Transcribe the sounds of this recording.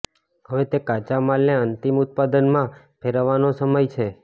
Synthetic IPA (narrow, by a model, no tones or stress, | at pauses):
ɦəʋet̪ekat͡ʃamalneənt̪imʊt̪̚pad̪ənmã | pʰeɾəʋanosəməjt͡ʃʰe